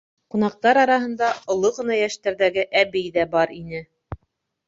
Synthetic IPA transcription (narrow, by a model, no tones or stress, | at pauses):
qunɑq̚t̪ɑɾɑɾɑɦɤ̆nd̪ɑŏlˠoʁɤ̆nɑjæʃt̪æɾðæɡɘʔæbɘjðæbɑɾinɘ